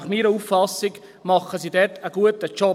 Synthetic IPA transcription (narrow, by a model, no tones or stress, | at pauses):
χmiːɾəuffɑsɪɡ | mɑχəsidɛtəɡuətət͡ʃɔ